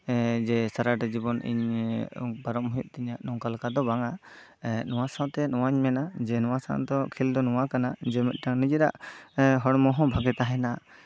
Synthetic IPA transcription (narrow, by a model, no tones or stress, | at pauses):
d͡ʒɛsaɾaʈɛd͡ʒibɔnʔḭɲ | paɾɔm̚mujṵʔ̚ˀt̪ɛɲaʔnɔ̃ŋkalkad̪ɔbaŋa | nɔwasaw̃t̪ɛnɔwaɲmɛnad͡ʒɛnɔwasã̰wd̪ɔkʰild̪ɔnɔwakanad͡ʒɛmɛt̪̚ˀʈaŋnid͡ʒiɾa̰ʔɦɔɽmɔɦɔ̃bʱaɡɛt̪aɦɛna